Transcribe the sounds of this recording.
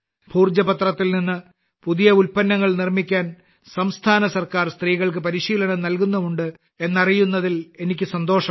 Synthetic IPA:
bʱuːrd͡ʑɐpɐt̪rɐt̪ːilninːɨ | puðijɐulpɐnːɐŋːɐɭnirmikʲːaːn | sɐmst̪ʰaːnɐsɐrkaːrst̪riːɣɐɭk̬ɨpɐɾiɕiːlɐɳɐmnɐlkunːɐʋuɳɖɨ | e̞nːɐrijunːɐðile̞nikʲːɨsɐnd̪oːʂɐ

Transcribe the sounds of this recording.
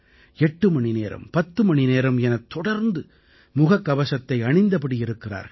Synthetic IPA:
ɛʈːɯmɐɳɪneːɾɐ̰mpɐt̪ːɯmɐɳɪneːɾɐmɛnɐt̪ːɔɽɐɾnd̪ɯ | mʊɣɐkːɐʋɐsɐt̪ːɐɪɐɳɪnd̪ɐpɐɽɪjɪɾɯkːɪra̰ːɾɣɐ

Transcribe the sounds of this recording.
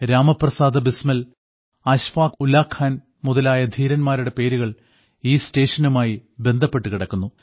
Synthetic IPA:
ɾaːmɐprɐsaːd̪ɐbismɐl | ɐɕʋaːkulaːkʰhaːn | muðɐlaːjɐd̪ʱiːɾɐnmaːɾuɽe̞pe̞ːɾuɣɐɭ | iːste̞ːʂɐnumaːjibe̞nd̪ʱɐpːe̞ʈːukiɽɐkːunːu

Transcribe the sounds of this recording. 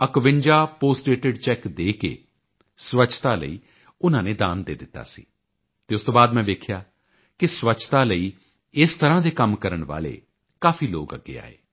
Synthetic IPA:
əkʋɪɲd͡ʒaːpoːsʈeːʈɪɖt͡ʃɛːkd̪eːkḛː | sʋət͡ʃʰt̪aːlə̰ḭː | ʊnãːneːd̪aːnd̪ḛːd̪ɪt̪ːa̰ːsḭː | t̪eːʊst̪õːbaːd̪mɛ̃ːʋ̪eːkʰjaː | kɪsʋət͡ʃʰt̪aːləiː | ɪst̪əɾãːd̪eːkəmkəɾəɳʋa̰ːɭḛː | kaːfʰiːloːɡə̰ɡːḛːa̰ːḛː

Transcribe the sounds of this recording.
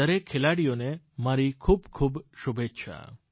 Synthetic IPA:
əɾekʰːelaɽijone | maɾikʰubkʰubʃubʱet͡ʃʰa̰

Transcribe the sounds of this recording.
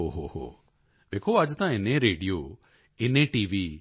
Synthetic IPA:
ɦoːɦoːɦo̰ː | ʋeːkʰoːɐd͡ʒt̪ãːɪnẽɾeːɖijoː | ɪnẽːʈiːʋiː

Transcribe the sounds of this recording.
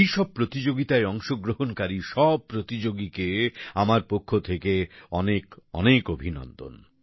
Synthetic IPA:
ejʃɔb̚pɾot̪id͡ʑoɡit̪aeɔŋʃoɡɾoɦonkaɾiʃɔb̚pɾot̪id͡ʑoɡikeamaɾpokʰːot̪ʰekeɔnekɔ̰nekobʱinɔ̰nd̪o̰n

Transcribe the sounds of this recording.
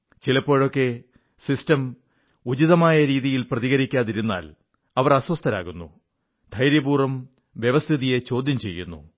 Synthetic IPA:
t͡ɕilɐpːo̞ːɻo̞kːe̞ | sistɐm | ud͡ʑiðɐmaːjɐɾiːðijilprɐðiɣɐɾikʲːaːðiɾunːa̰ːl | ɐʋɐrɐswɐst̪ʰɐɾa̰ːɣunːṵ | d̪ʱɐjɾjɐbuːrɐm | ʋjeʋɐst̪ʰiðije̞t͡ɕo̞ːd̪ʱjɐmt͡ɕe̞̰jːunːṵ

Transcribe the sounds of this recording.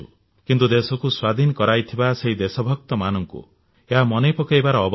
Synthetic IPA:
ṵ | kint̪ud̪esɔkuswad̪ʱinɔkɔɾajt̪ʰibaseɦid̪esɔbʱɔk̚t̪ɔmanɔŋkṵ | eɦamɔnepɔkajbaɾɔːb

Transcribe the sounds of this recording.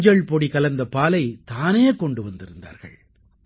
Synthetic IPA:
d͡ʒɐɭpɔɽikɐlɐnd̪ɐpaːlɐɪt̪aːneːkɔɳɖɯʋɐnd̪ɪɾɯnd̪a̰ːɾɣɐ̰ɭ

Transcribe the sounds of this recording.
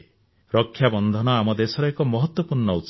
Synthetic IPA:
ɾɔkʰːjabɔnd̪ʱɔnɔamɔd̪esɔɾɔekɔmɔɦɔt̪wɔpuɾnɔut̪

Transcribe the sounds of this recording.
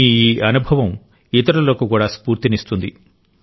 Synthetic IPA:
iiːʔɐnubʱɐʋɐm | it̪̬ɐɾɐlo̞ːkukuːɽaːspuːɾt̪inist̪und̪ḭ

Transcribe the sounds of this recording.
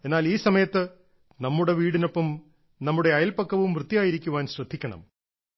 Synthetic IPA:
enːaːliːsɐmɐjɐt̪ːɨ | nɐmːuɽe̞ʋiːɽino̞pːɐm | nɐmːuɽeɐjɐlpɐkːɐʋumrɨt̪ːijaːjiɾikʲːuʋaːnɕrɐd̪ʱːikʲːɐɳɐ̰m

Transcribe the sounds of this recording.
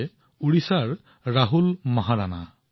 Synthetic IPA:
uɹisaɹː | aɦulmɔɦaɹana

